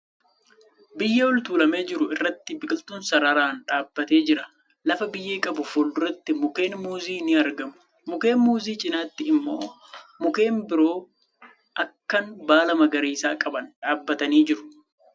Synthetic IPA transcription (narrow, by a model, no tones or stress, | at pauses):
bɪjːɛwɔlt̪uːlɐme̞ːd͡ʒɪɾʊɪrːɐt̪ːɪbɪkʼɪlt̪uːnsɐɾaɾaːnᶑaːbːɐt̪e̞ːd͡ʒɪɾɐ | lɐfɐbɪjːeːkʼɐbʊfuːld̪ʊɾɛt̪ːɪmʊke̞ːnmuːziːnɪɐɾɡɐmʊ̥ | mʊke̞ːnmuːziːt͡ʃʼɪnaːt̪ːɪɪmːo̞̰ː | mʊke̞ːnbɪɾo̞ː | ʔɐkːɐnbaːlɐmɐɡɐɾeːsaːkʼɐbɐnᶑaːbːɐt̪ɐniːd͡ʒɪɾʊ̥